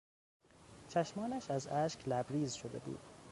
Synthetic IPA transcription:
t͡ʃʰæʃmɒːnæʃæzæːʃklæbɾiːzʃod̪e̞̰bṵːd̪̥

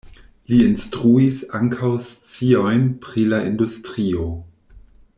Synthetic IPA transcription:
liinstɾuisaŋkʰawst͡sio̞jnpɾilaʔindustɾio̞

